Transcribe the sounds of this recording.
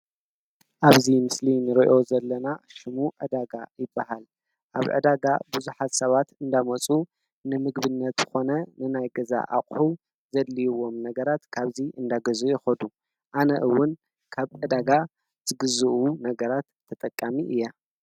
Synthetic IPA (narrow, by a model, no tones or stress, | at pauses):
ʔaβzimɨslinɨɾiʔo̞zɐlːɐnaʃɨmuʕɨ̰d̪aɡajɪbːaɦal | ʔaβʕɨ̰d̪aɡa̰bɨzuħat̪sɐβat̪ɨnd̪amɐt͡sʼu | nɨmɨɡbɨnːɐt̪zɨ̥xo̞nɐnɨnajɡɐza̰ʔa̰qʼħu | zɐd̪lijwo̞mnɐɡɐɾat̪kʰaβziʔɨnd̪aɡɐzujɪxɐd̪u | ʔanɐʔɨwːʊn | kʰaβʕɨd̪aɡa | z̥ɨɡɨzɨʔunɐɡɐɾat̪ʰːɐt̪ʼɐkʼːamiʔɨjːa